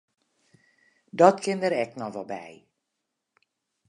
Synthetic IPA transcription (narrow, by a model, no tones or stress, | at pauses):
dɔtkʰɪndəɾɛknɔxʋɔlˠbɛ̰j